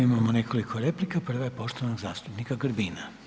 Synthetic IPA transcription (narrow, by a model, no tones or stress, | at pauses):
imamone̞kʰolikʰo̞ɾe̞plikapr̩ʋajepo̞ʃt̪oʋanoɡzaːst̪upnikaɡrbiːna